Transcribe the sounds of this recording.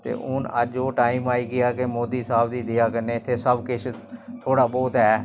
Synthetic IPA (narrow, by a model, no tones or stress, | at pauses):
t̪ḛːʔʊnə̰d͡ʒoːʈaːiːmaːiːɡɪjaːkemoːd̪iːsaːbd̪iːd̪ɪjaːkəɾnẽːɪt̪ʰːeːsəbkɪt͡ʃʰt̪ʰoːɽaːbɔːt̪ɦɛː